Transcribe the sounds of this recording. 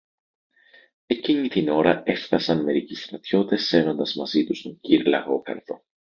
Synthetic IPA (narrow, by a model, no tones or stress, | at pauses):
e̞cinit̪ino̞ɾɐe̞fθɐsɐnme̞ɾicist̪ɾɐt̪ço̞t̪e̞sːe̞vond̪ɐzmɐzit̪ust̪oɲɟiɾlɐ̰ɣo̞kɐ̰ɾðo̞̰